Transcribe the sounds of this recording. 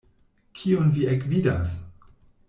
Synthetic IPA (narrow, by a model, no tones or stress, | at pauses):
kʰionviekvidas